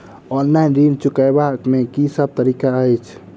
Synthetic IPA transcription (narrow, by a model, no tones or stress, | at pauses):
ɔnlajnɾint͡ʃukəjbakmekisəb̚t̪əɾikaəjt͡ʃʰ